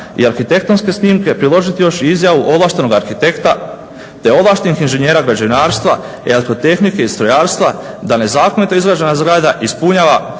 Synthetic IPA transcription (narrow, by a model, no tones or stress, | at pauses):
ḭaɾxit̪e̞k̚t̪o̞nske̞sniːmke̞pɾilˠo̞ʒit̪ijo̞ʃizjaʋuʔo̞blaʃt̪e̞no̞ɡaɾxit̪e̞kt̪a | t̪e̞o̞blˠaʃt̪enixinʒe̞ɲe̞ːɾaɡɾad͡ʑeʋinaːɾst̪ʋa | eleko̞t̪e̞xnike̞ist̪ɾojaːɾst̪ʋad̪ane̞zaːko̞nit̪o̞izɡɾaːd͡ʑe̞nazɡɾad̪aʔispuɲaːʋa